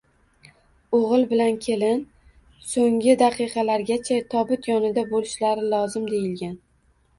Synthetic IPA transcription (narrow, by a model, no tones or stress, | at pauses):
oʁɨlˠbɪlankʲʰe̞lɪn | soŋʲɪd̪aqʰɨqɑlaɾɡʲat͡ʃʰat̪ʰɒbʊt̪jɒnɪd̪abolɪʃlaɾɪlˠɒzɪmd̪e̞jɪlɡʲan